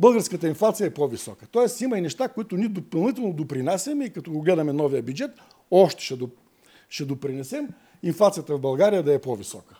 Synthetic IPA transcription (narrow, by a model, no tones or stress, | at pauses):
bɤlˠɡəɾskət̪əinflˠat̪sijəɛpɔvisɔkə̥t̪ɔɛsimɐinɛʃt̪akoit̪ʊnʲid̪opɐlˠnit̪ɛlˠnod̪opɾinasʲɛmɛikɐt̪ɔɡoɡlɛd̪ɐmɛnɔvijəbʲjud͡ʒɛt̪ | ɔʃt̪ɛ̥ʃɛo | ʃɛd̪opɾinɛsɛm | inflˠat̪sijət̪əvbɐlˠɡaɾijəd̪ɐɛpɔvisɔkə̥